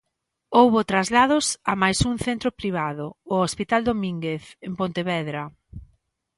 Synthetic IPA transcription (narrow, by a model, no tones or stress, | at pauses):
owβʊt̪ɾazlað̞ʊsamajsuŋθent̪ɾʊpɾiβ̞aðʊːospit̪ald̪omĩŋɡeθempont̪eβɛðɾɐ